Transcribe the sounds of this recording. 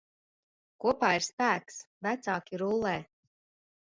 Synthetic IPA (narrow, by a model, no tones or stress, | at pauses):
kuɔpaːiɾspæːks | væt̪saːkʲiɾulˠːɛː